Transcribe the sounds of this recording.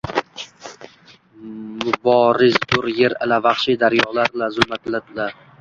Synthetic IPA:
mʊbɒɾɪzd̪ʊɾjeɾa̰lavaχʃid̪aɾjɒlaɾlazʊlmat̪lad̪ɪla

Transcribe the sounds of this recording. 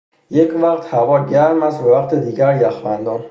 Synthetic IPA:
jecʰvæqt̪hævɒːɟæɾmæsbevæqt̪ʰed̪iːɟæɾjæxvænd̪ɒːn

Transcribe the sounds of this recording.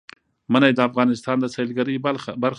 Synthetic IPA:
manajd̪əafɣɑnɪst̪ɑnd̪əselɡaɾəjbaɾ

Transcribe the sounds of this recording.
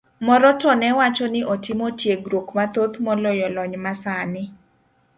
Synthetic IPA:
mɔɾɔtɔnɛwat͡ʃɔnɪʔotɪmotjeɡɾokmat̪ot̪mɔlojɔlɔɲmasanɪ

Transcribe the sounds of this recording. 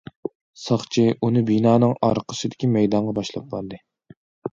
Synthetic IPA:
sɑχt͡ʃʰiʔunɨbinɑːnɨŋɑ̰ɾqʰə̥ʃɨd̪ɪ̥kʲimɛjd̪ɑɴʁɑbɑʃlˠɑp̚bɑɾd̪ɨ

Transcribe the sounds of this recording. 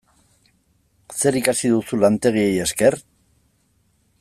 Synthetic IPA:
se̞ɾikasiðusulant̪e̞ɣ̞ie̞je̞ske̞r

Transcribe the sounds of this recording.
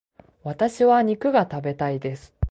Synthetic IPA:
βat̪aɕiβaɲ̟ikɯ̟ɡat̪abe̞t̪aid̪e̞sɨ̥

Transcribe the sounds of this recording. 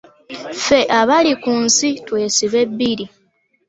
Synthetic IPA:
fe̞ʔaβalikunsitwe̞ːsiβe̞bːiɾi

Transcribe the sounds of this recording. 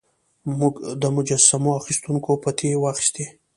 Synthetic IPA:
muɡd̪əmʊd͡ʒasamoaxist̪uŋkopat̪ʰewaxi̥st̪e

